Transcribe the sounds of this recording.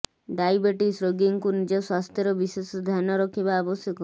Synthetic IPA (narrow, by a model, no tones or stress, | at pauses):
ɖajbeʈisɾoɡiŋkunid͡ʒɔswast̪ʰjɔɾɔbisesɔd̪ʱjanɔɾɔkʰibaːbɔsjɔkɔ